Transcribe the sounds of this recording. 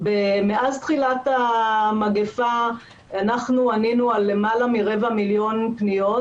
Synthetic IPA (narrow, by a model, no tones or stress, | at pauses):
bemeazt̪χilat̪amaɡefa | anaχnuaninualemalamiʁe̞vamiljo̞npnijo